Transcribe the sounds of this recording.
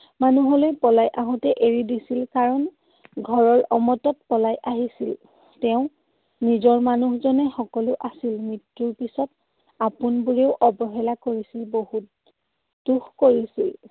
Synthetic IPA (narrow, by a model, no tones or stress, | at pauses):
manuɦɔlojpɔlajʔaɦɔtɛʔeɹidisilkaɹɔn | ɡʱɔɹɔɹɔmɔtɔt̚pɔlajʔaɦisil | tɛʊ̃ | nizɔɹmanuhzɔnɛxɔkɔlʊʔasilmitɹuɹpisɔt | apunbuɹeʊʔɔbɔɦelakoɹisilbohut̚ | duxkoɹisil